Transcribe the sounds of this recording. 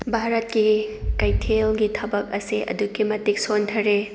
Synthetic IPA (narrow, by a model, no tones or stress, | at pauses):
bʱaɾɐt̚kikajtʰelɡitʰɐbɐk̚ɐsiʔɐ̰duɡimɐtik̚sontʰɐɾe